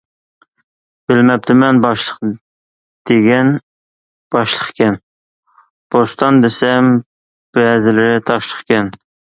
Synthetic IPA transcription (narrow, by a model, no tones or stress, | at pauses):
b̥ɪlmɛp̚t̪ʰɪmɛnbɑʃlˠəq | d̪̥eɡʲɛn | b̥ɑʃlˠəχkʲʰɛn | b̥ost̪ʰɑnd̪esɛm | b̥ɛːzɪlɪɾɪt̪ʰɑʃlˠəχkʲɛn